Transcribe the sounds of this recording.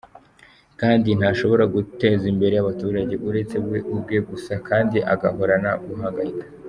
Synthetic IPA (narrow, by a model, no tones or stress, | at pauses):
kaːndin̥haʃo̞βo̞ɾaɡute̞ːzimbe̞ɾe̞jaβatuːɾaɟe̞βuɾe̞t͡se̞bɡeʔubɡe̞ɡusakʰaːndiʔaɡaho̞ɾanaɡuɦaːŋɡaikḁ